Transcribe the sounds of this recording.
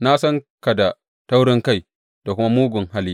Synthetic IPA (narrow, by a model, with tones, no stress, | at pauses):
na˦sɔ˦ŋka˨da˨ | ta˦wɾɪ˦ŋka˦˨j | da˨ku˦ma˦muː˦ɡʊ˨ŋɦa˦li˦